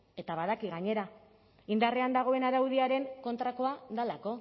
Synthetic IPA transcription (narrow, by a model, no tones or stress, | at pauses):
e̞t̪aβaðakiɣaɲe̞ɾa | ind̪are̞and̪aɣ̞o̞e̞naɾawðiaɾe̞ŋko̞nt̪ɾako̞aðalako̞